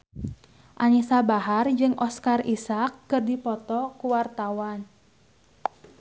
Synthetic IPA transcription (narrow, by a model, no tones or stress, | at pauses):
ʔanisabaɦard͡ʒɨŋʔɔskarisakːɨrdipɔt̪ɔkuwart̪awan